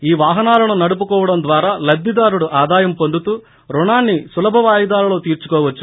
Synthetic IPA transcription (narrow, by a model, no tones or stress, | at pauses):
iːʋaːɦɐnaːlɐnunɐɽup̬ukɔːʋɐɽɐmd̪ʋaːɾaːlɐd̪ʱːid̪aːɾuɽuʔaːd̪aːjɐmpond̪ut̪uː | ɾuɳaːnːisulɐbʱɐʋaːjɐd̪aːlɐlo̞ːt̪iːɾt͡ʃu̥kɔːʋɐt͡ʃːu̥